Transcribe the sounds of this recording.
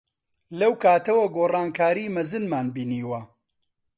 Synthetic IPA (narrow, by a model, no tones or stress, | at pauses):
lɐwkʰaːt̪ɐwɐɡoːrɑːnkʰaːɾiːmɐzɨnmaːnbiːniːwɐ